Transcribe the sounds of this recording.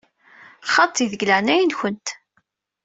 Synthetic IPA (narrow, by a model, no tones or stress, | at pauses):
χːɑt̪ˤːiðəɡlæʕnæjənçənt̪